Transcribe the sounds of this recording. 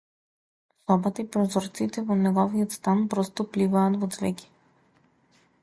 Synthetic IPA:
sɔbat̪aipɾɔzɔɾt̪sit̪ɛvɔnɛɡɔviɔt̪st̪anpɾɔst̪ɔplivaːt̪vɔt̪zvɛkʲi̥

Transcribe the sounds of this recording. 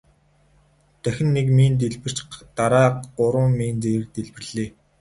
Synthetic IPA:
t̪æxʲɪ̆nːekmiːnt̪̬eɮpɘ̆r̥t͡ɕt̪aɾaːʊɾə̆mːiːnt͡seɾɘ̆k̚t̪eɮpɘ̆rɮeː

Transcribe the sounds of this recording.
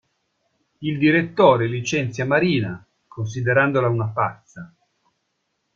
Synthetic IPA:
ild̪iɾet̪ːoːɾelit͡ʃɛnt̪sjamaɾiːna | kʰons̬id̪eɾand̪olaunapa̰t̪sa

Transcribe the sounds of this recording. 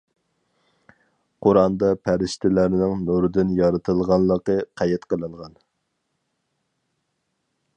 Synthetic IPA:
qʰʊɾɑnd̪ɑpʰæɾɪʃt̪ʰɪlæɾnɪŋnuɾd̪ɪnjɑɾɨt̪ʰɨlˠʁɑnlˠəqəqʰæjɛt̪qəlˠɨŋʁɑn

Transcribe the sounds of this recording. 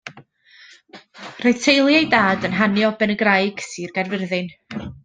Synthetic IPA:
r̥oɨtʰejlˠjajdaːdənɦanjɔbɛnəɡrajɡ̥siːrɡ̥arvɪrðɨn

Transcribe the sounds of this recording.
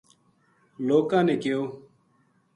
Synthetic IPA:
loːkãːneːkɪjoː

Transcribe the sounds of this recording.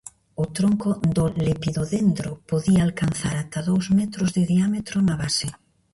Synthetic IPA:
ʊt̪ɾoŋkʊd̪ʊlepiðoðend̪ɾopoðiaːlkanθaɾat̪ɐðowzmɛt̪ɾʊzðɪðiamet̪ɾʊnaβasɪ

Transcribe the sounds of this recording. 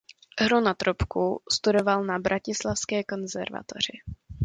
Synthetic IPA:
ɦɾunat̪ɾopkust̪udo̞valnabɾʔacɪslafskɛːko̞nzɛ̰ɾva̰t̪o̰r̝ɪ̰

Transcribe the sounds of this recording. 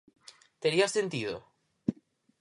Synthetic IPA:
t̪eɾiasːent̪iðo̰

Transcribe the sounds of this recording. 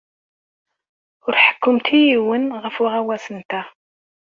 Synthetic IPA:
ʊɾħə̥kːʊmt̪ijiwənʁəfʊʁæwæsənt̪æ

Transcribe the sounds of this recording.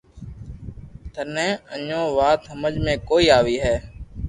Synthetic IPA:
t̪ʰənẽːə̰ɲõːʋaːt̪ɦəməd͡ʒmẽːkoːiːaːʋiːɦɛː

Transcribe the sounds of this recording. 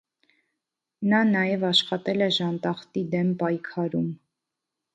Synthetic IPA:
nɑnɑjɛvɑʃχɑt̪ɛlɛʒɑnt̪ɑχt̪id̪ɛmpɑjkʰɑɾum

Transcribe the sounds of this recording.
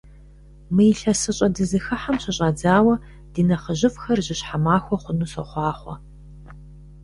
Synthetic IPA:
mɨjɪɬɐsɨɕʼɐdɨzɨxɨħamɕɐɕʼaːd͡zaːwɐ | d̥iːnɐχəʑɪfxɐrʑɪɕħamaːxʷɔχʷʊnuːsɐ̰χʷɑːχʷɔ̰

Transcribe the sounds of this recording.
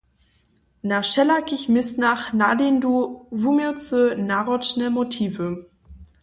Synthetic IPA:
naʃɛlakɪçmɪstnaχnadenduvumet͡sənaʁɔt͡ʃnəmotʰiːvə

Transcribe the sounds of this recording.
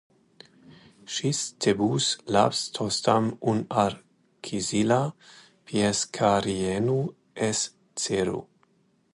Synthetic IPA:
ʃistʰebusla̰pst̪ʰostamunaɾ | kʰizila | pʰjeskʰaɾienu | es | t͡seɾṵ

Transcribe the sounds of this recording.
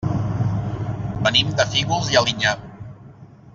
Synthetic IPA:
bənimd̪əfiɣulˠzialiɲa

